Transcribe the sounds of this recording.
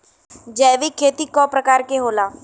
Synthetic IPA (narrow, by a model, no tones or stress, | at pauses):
d͡ʒɛːʋikʰːeːt̪iːkɔːpɾəkaːɾkeɦoːlaː